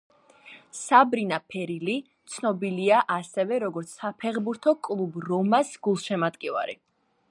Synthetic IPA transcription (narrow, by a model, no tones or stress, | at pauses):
sabɾinapʰɛɾili | t̪sʰnɔbiliaʔasɛvɛɾɔɡɔɾt̪sʰapʰɛχbuɾt̪ʰɔkʼlˠubɾɔmasɡ̥ulˠʃɛmat̪ʼkʼiva̰ɾḭ